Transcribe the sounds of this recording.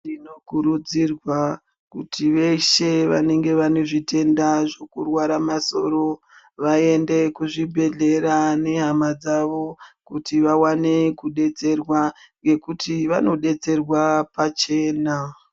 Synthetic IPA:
ino̞kuɾud͡zirwa | kutʰiʋe̞ʃe̞ʋa̰ne̞ŋɡe̞ʋane̞ʐite̞ndaʐo̞kurwaɾamaso̞̰ɾo̞ | ʋae̞nde̞kuʐibʱe̞ɮe̞ɾane̞ɦamad͡zaʋo̞kutiʋawane̞kuɗe̞t͡se̞rwa | e̞kutʰiʋano̞ɗe̞t͡se̞rwapat͡ʃe̞ːna

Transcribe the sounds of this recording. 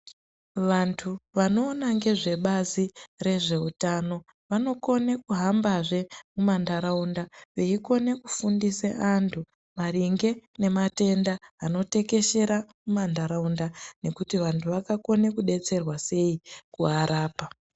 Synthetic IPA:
ʋantʰuʋano̞ːnaŋɡe̞ʐe̞ɓazire̞ʐe̞utano̞ | ʋano̞ko̞ne̞kuɦambaʐe̞mumandaɾaundaʋe̞iko̞ne̞kufundiseʔantʰu | mariŋɡe̞ne̞mate̞ndaːno̞te̞ke̞ʃe̞ɾamumandaɾaundane̞kutiʋantʰuʋakako̞ne̞kuɗe̞t͡se̞rwase̞ikuɦaɾaːpa

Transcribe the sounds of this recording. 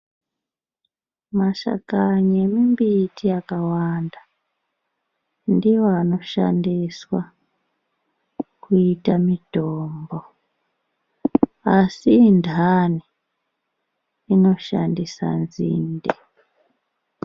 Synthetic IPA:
maʃa̰kaɲemimbitʰiakawanda | ndiwoano̞ʃa̰ndiswa | kuitamid̥ʱoːmbo | asindʱani | ino̞ʃa̰ndisa̰nzḭːnde

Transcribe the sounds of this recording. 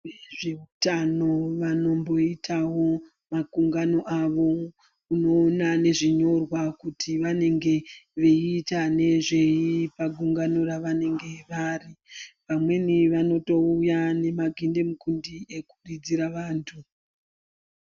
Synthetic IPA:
ʋeʐe̞utano̞ʋano̞mbo̞itʰawo̞ | makuŋɡano̞ʔaʋo̞ | uno̞ːnane̞ʐiɲo̞rwakutʰiʋane̞ŋɡe̞ʋeitane̞ʐe̞ipaɡʱuŋɡano̞raʋane̞ŋɡe̞ʋaripamwe̞niʋano̞to̞ujane̞maɡʱinde̞mukundie̞kurid͡ziɾaʋaːntʰu

